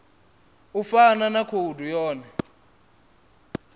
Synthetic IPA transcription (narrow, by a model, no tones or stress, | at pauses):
ufananakʰudʱujɔːnɛ